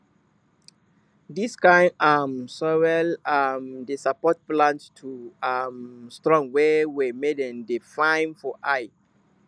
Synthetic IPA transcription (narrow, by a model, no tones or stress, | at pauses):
diskãjamsɔwɛlamdesapɔt̚plãnttʰuamstɹɔ̃ŋwɛwɛmedɛ̃ndefãjnfɔʔaj